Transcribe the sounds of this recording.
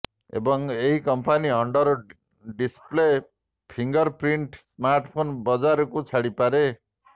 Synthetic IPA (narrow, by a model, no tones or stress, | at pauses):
ḛbɔŋeɦikɔmpʰaniʌɳɖɔɾɔ | ɖisple | pʰiŋɡɔɾpɾiɳʈsmaɾʈpʰonbɔd͡ʒaɾɔkut͡ʃʰaɽipaɾe